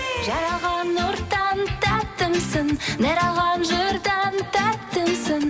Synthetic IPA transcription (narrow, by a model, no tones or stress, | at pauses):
ʒɑɾɑʁɑnːoɾt̪ːɑnt̪æt̪ːəmsɪnd̪ɑɾɑʁɑnʒʊɾd̪ɑnt̪æt̪ːəmsɪn